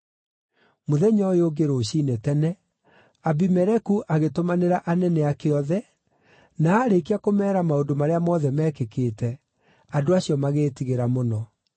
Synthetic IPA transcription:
moðɛɲɔjoɡeɾoːɕiːnetɛnɛ | abimɛɾɛkuʔaɣetomaneɾaʔanɛnɛakeɔðɛ | naːɾekiakomɛːɾamaondomaɾeamɔðɛmɛːkekeːtɛ | adoaɕjɔmaɣeːtiɣeɾamonɔ

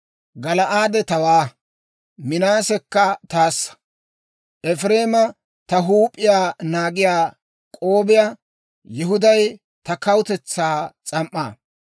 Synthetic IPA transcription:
ɡɐlɐʔaːd̪ɛt̪ɐwaː | mɪnaːsɛkːɐt̪aːsːɐ̥ | ʔɛfɾeːmɐ | t̪ɐɦuːpʼːɪjaːnaːɡɪjaː | kʼo̞ːbɪjaː | jɪɦʊd̪ɐj | t̪ɐkɐwt̪ɛt͡sːaːt͡sʼɐmʔːa̰ː

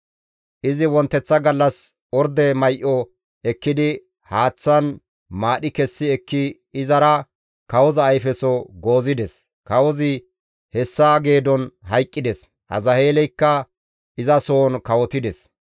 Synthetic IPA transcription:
ʔɪzɪwɔnt̪ːɛt͡sːɐɡɐlːɐs | ɔɾd̪ɛmɐjʔɔ | ɛkːɪd̪ɪ | haːt͡sːɐn | maːɗɪkɛsːɪɛkːɪ | ɪzɐɾɐ | kɐwɔzɐːjfɛsɔɡo̞ːzɪd̪ɛs | kɐwɔzɪ | hɛsːaːɡe̞ːd̪ɔnɦɐjkʼːɪd̪ɛs | hɐ̰zɐhe̞ːlɛjkːɐ | ʔɪzɐsoːnkɐwɔt̪ɪd̪ɛs

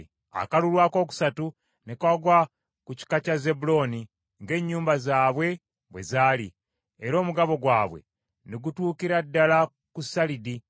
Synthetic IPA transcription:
a̰kalulwaːko̞ːku̥satu | nekaɡwa | kuci̥kacaze̞bulo̞ːni | ŋɡe̞ːɲːuːmbazaːβwe̞ | βwe̞̰zaːlḭː | ɾo̞ːmuɡaβo̞ɡwaːβwe̞̰ | neɡutuːkiɾadːala | kusalidi

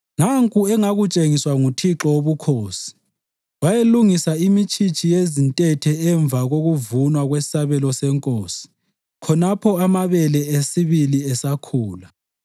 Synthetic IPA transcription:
naŋkʼuɛŋaɣut͡ʃʼeŋiswaŋutʰiǁɔoβukʰoːsi̥ | wajeluŋisaimit͡ʃʰʼit͡ʃʼijezintʼɛtʰɛɛɱb̪vʱaɣoɣuvunwaɣwesi̥saβɛlɔsɛŋkʼoːsi̥ | kʰɔnapʰɔamaβɛlɛesiβiliɛsakʰuːla

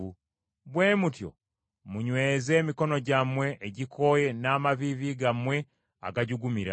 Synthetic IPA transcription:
u | βwe̞ːmutjo̞̰ | muɲwe̞ːze̞ːmiko̞no̞ɟamwe̞ʔːɟikʰo̞ːje̞naːmaβiβiɡamwe̞ | a̰ɡaɟuɡumiɾa̰

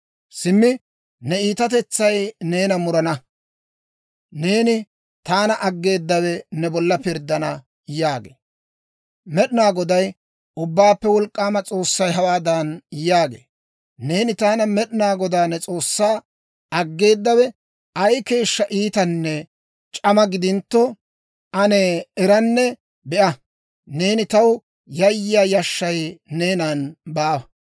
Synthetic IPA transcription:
sɪmːɪ | nɛiːt̪ɐt̪ɛt͡sːɐjne̞ːnɐmʊɾɐnɐ | ne̞ːnɪ | t̪aːnɐʔɐɡːe̞ːd̪ːɐwɛnɛbɔlːɐpɪɾd̪ːɐnɐ | jaːɡḛː | mɛɗɪnaːɡɔd̪ɐj | ʊbːaːpːɛwɔlkʼːaːmɐt͡sʼo̞ːsːɐjɦɐwaːd̪ɐnjaːɡḛː | ne̞ːnɪt̪aːnɐmɛɗɪnaːɡɔd̪aːnːɛt͡sʼo̞ːsːaː | ɐɡːe̞ːd̪ːɐwɛ | ɐjke̞ːʃːɐʔiːt̪ɐnːɛ | t͡ʃʼɐmɐɡɪd̪ɪnt̪ːɔ | ɐnɛːɾɐnːɛ | bɛʔɐ | ne̞ːnɪt̪ɐw | jɐjːɪjaːjɐʃːɐjne̞ːnanbaː

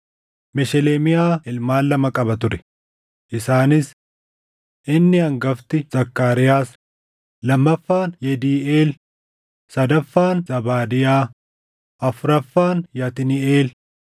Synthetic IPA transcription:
mɛʃɛleːmɪjaːɪlmaːlːɐmɐkʼɐbɐt̪ʊɾɛ̥ | ʔɪsaːnɪs | ʔɪnːɪɐŋɡɐft̪ɪz̥ɐkːaːɾɪjaːs | lɐmːɐfːaːnjɛd̪iːeːl | sɐd̪ɐfːaːnzɐbaːd̪ɪjaː | ʔɐfʊɾɐfːaːnjɐt̪ɪnɪeːl

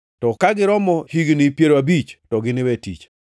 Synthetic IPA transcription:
tɔkaɡɪɾɔmɔhiɡnɪpjeɾoabit͡ʃtɔɡɪnɪwɛtit͡ʃ

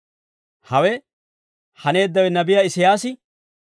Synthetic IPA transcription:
hɐwɛ | hɐne̞ːd̪ːɐwɛnɐbɪjɐɪsɪjaːsɪ

